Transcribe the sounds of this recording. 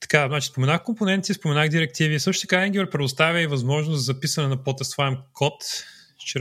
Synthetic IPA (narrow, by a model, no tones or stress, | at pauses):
t̪ɐ̥kaznat͡ʃi̥spomɛnaxkomponɛnt̪sispomɛnaɣd̪iɾɛk̚t̪ivisɤʃʊt̪əkaɛɡʲipɾɛpɾɛd̪ʊst̪avʲjəivɐzmɔʒnʊszɐpisɐnɛnɐpɔt̪ɛst̪faɛmkʰɔt̪ | t͡ʃ